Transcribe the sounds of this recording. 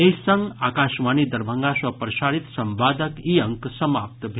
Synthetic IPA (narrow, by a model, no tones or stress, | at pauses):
eisɐ̃ŋɡaːkaːʃʋaːnid̪ɐɾbʱə̃ŋɡaswɐpɾɐʃaːɾit̪sɐmʋaːd̪əkiːɐ̃ŋksɐmaːp̚t̪bʱ